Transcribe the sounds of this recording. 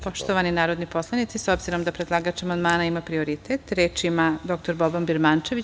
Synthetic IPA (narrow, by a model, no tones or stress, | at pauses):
po̞ʃt̪oʋaninaːɾo̞d̪nipo̞slˠanit̪siso̞bziɾo̞md̪apɾed̪lˠaːɡat͡ʃamand̪maːnaimapɾio̞ɾit̪et̪ɾeːt͡ʃimad̪o̞kt̪oɾbobambiɾmaːnt͡ʃe̞ʋi